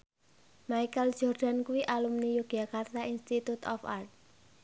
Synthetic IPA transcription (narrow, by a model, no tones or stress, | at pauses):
maikəl̥ʒ̥ɔrd̪̥a̤nkuwiʔalumnijuɡ̥akart̪ainst̪it̪ut̪ɔ̰fa̰rt̪̚